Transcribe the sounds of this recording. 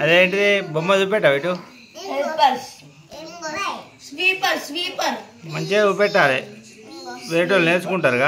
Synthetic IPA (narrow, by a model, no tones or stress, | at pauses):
ɐd̪eːɳʈɐebomːɐd̪upɛʈːaʋiʈu | opɐɾs | sʋiːpɐɾsʋiːpɐɾ | mɐɲt͡ʃeupɛʈːaːle | ʋeːʈ̬olneːt͡ʃukuɳʈaːɾuɡa